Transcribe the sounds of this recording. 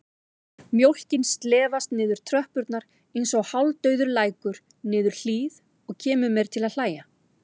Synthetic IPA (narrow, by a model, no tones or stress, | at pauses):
mjowl̥cɪnst̪lɛːvast̪nɪːðʏɾ̥t̪ʰɾœhpʏɾt̪naɾ | ejnsɔɣhawlt̪œɥðʏɾlaːjkʏɾ̥ | nɪːðʏɾ̥l̥iːð | ɔɣcʰɛːmʏmɛɾ̥t̪ʰɪlaðl̥aːja